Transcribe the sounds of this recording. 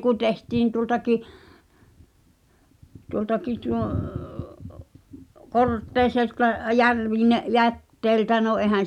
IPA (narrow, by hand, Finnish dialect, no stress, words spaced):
kun̆ tehtiːn tuŏltɑki tuoltɑki tuoˑ kortːeˑiseltɑ jærʋine jætːeĭltæ no ʔeˑhæn̞